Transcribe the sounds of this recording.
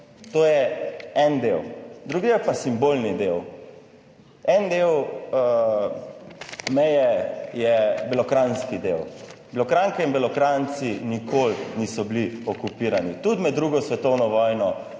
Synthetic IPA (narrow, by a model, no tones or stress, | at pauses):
t̪oːjɛɛnd̪ewd̪ɾuːɡijɛpasimboːlnid̪ew | ɛnd̪ew | mɛjɛjɛbɛlɔkɾanskid̪ewbɛlɔkɾaŋkɛinbɛlɔkɾant̪sinikʰoːlnisɔbliɔkupiːɾanit̪ud̪mɛd̪ːɾuːɡɔsʋɛt̪ɔwnɔʋɔːjnɔ